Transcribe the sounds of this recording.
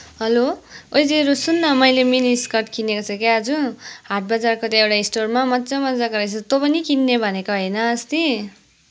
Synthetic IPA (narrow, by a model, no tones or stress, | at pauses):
ɦʌloojd͡ziʌɾusunːʌmʌjleminiskʌrʈ̚kʰinːekot͡sʰʌ̃keʌd͡zuɦaʈ̚ʰbad͡zarkot̪ãewʈaisʈormamʌd͡zʌmʌd͡zakʌɾʌjt͡sʰʌt̪opʌnikinːebʱʌnekoɦʌjnʌːst̪i